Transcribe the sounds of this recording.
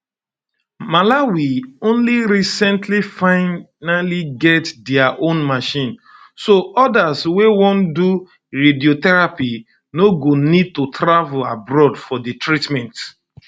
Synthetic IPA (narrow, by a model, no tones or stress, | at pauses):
malawiõnliɹisɛ̃ntʰlifãɪ | naliɡɛtdɛaʔõnmaʃĩn | soʔɔdazwewɔ̃ndu | ɹediotɛɹapi | noɡonid̚tutɾavlabɹɔdfɔditʰɹitmɛ̃nt